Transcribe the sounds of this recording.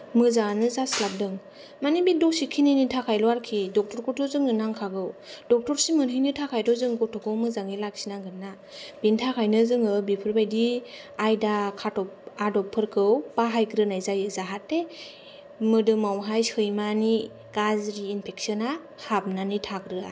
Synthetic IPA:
mɯzanɯzaslap̚dɯŋ | manibidɔsikʰininitʰakʰajlɔaɾkʰidɔk̚tɔɾkʰɔɾtɔzɯŋɯnaŋkʰaɡɯwdɔk̚tɔɾsimɯnhɯjnɯtʰakʰajdɔzɯŋɡɔtʰɔkʰɯwmɯzaŋilak̚sinaŋɡɯnːa | b̥intʰakʰajnɯzɯŋɯbipʰɯɾbajdi | ajdakʰatɔpadɔpʰːɯɾkʰɯwpaɦajkɾɯnajzajɯzaɦatːe | mɯdɯmawɦajhɯjmani | ɡ̥azɾiːnpʰek̚sɔna | hap̚nanitʰakɾɯa̰

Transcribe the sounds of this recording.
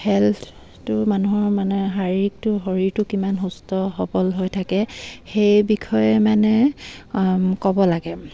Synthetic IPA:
hɛltʰ | tʊmanuɦɔɹmanɛɦaɹik̚tʊɦoɹiɹtʊkimanɦustɔɦɔbɔlɦojtʰakɛxejbikʰɔjɛmanɛ | kɔbɔlaɡɛ

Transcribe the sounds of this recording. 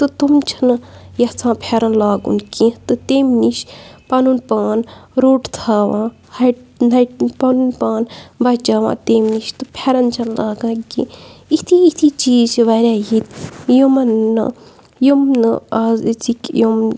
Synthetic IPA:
t̪ɨt̪umt͡ʃʰɐnɨjɐt͡sʰãːpʰeɾɐnlaːɡṵnkĩːt̪ɨt̪eːmniʃpɐnunpaːnɾoːʈt̪ʰaːʋãː | hɐnɐʈpɐnunpaːnbɐt͡ʃaːʋã̰ːt̪eːmniʃt̪ɨpʰeɾɐnt͡ʃʰɐnlaːɡãːkḭ̃ːit̪ʰiːt̪ʰiːt͡ʃiːzʋɐɾʲaːɦit̪jomɐnːɨ̰ | jomnɨazzikjom

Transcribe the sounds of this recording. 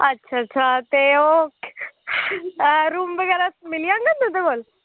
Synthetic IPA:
ətːʃʰaɐtːʃʰat̪eok | ɾuːmʋəɡɛːɾamɪlijãːŋɡənd̪ũd̪eɡoːl

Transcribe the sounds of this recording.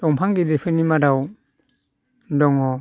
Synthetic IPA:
d̥ɔŋpʰaŋɡidipʰɯnimadaw | dɔŋɔ

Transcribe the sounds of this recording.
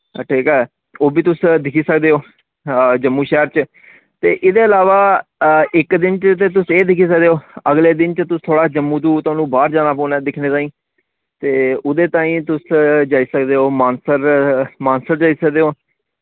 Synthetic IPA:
ʈʰiːkɛː | oːbiːt̪ʊsd̪ɪkʰiːsəkd̪eːɦoː | d͡ʒəmːũːʃɛːɾt͡ʃ | t̪eːʔɪd̪eːəlaːʋaː | ɪkd̪ɪnt͡ʃt̪eːt̪ʊseːd̪ɪkʰiːs̬ək̚d̪eːoːəɡleːd̪ɪnt͡ʃət̪ʊst̪ʰoːɽaːd͡ʒəmːũːt̪̬ũːt̪ʊaːnũːbaːɾd͡ʒaːnaːpɔ̃ːnɛːd̪ɪkʰneːt̪aːĩː | t̪eːʊd̪eːt̪ãːĩːt̪ʊsd͡ʒaːiːsəkd̪eːɦoːmaːnsəɾmaːnsəɾd͡ʒaːiːsək̚d̪eːɦoː

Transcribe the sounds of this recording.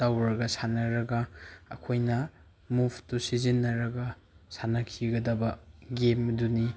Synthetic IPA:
tawɾɐɡɐsanɐɾɐɡɐɐ̰kʰojnɐ | mubʰtusizinːɐɾɐɡɐ | sanɐkʰiɡɐdɐbɐɡemɐduni

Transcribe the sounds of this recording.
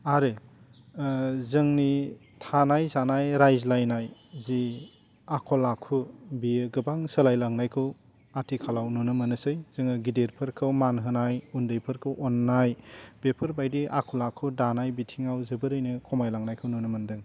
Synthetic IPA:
aɾe | zɯŋni | tʰanajzanajɾajzlajnajzi | akʰɔlakʰubiɡɯbaŋsəlajlaŋnajkʰɯw | atʰikʰalawnunɯmɯnɯsɯjz̥ɯŋɯɡideɾpʰɯɾkʰɯwmanɦɯnajundɯjpʰɯɾkʰɯwʔɔnːajb̥epʰɯɾbajdiʔakʰɔlakʰudanajbitʰiŋawzɯbɯɾɯjnɯkʰɔmajlaŋnajkʰɯwnonɯmɯndɯŋ

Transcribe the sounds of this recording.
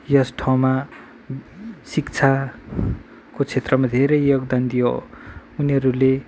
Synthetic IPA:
jʌsʈʰaw̃ma | sikt͡sʰa | kot͡sʰet̪rʌmad̪ʱeɾʌjːoɡd̪and̪ijo̰uniɦʌɾule

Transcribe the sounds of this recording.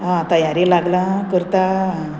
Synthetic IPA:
ɦãt̪əjaɾilaɡlakəɾt̪aɦ

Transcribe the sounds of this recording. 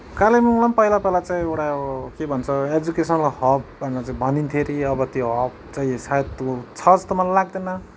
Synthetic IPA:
kalemĩlampʌilapelat͡saĩewʈakebʱʌnt͡sʰʌed͡zukesʌnlahʌb̚bʱʌneʌt͡saĩbʱʌnint̪ʰeɾiʌbʌt̪joɦʌb̚ | t͡saĩsajt̪ot͡sʰʌd͡zt̪ʌmalalaɡd̪enʌ

